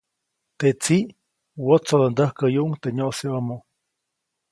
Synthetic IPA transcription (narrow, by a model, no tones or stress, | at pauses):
t̪et͡siʔ | wot͡sod̪ond̪əhkəjuʔuŋt̪eɲoseəmo